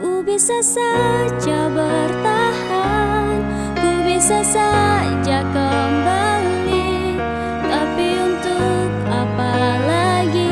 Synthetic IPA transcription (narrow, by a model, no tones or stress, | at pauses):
ʔubisasad͡ʒabərt̪ahan | ubisasa | d͡ʒakəmbali | t̪apiunt̪uk̚ | apalaɡi